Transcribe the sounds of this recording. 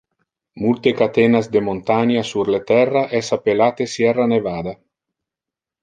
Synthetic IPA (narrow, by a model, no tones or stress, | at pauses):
mult̪ekat̪enazd̪emont̪aɲasuɾlet̪ɛrːaʔɛsapelat̪esjɛranevaːd̪a